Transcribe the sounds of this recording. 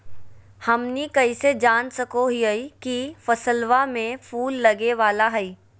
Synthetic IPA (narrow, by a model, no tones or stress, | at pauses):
hɐmnikɐised͡ʒaːnsɐkoɦiɦɐikifɐsəlʋamẽfʰuːlːɐɡeʋaːlaɦɛiː